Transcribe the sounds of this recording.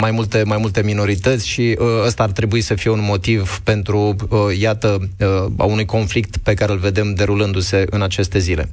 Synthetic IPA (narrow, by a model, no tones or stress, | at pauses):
majmult̪e̞majmult̪e̞mino̞ɾit̪ət̪sʲʃiast̪aːrt̪ɾe̞buisəfije̞unmo̞t̪ivpe̞nt̪ɾujat̪əa̰unujko̞nflik̚t̪pe̞kaɾe̞ɨlve̞d̪e̞md̪e̞ɾulɨnd̪use̞ʔɨ̰nat͡ʃe̞st̪e̞zile̞̰